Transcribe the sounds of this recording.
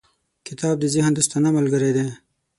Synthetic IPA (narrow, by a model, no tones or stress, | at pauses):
kɪt̪ɑːb̚d̪əzɪhnd̪əst̪anaməlɡəɾed̪e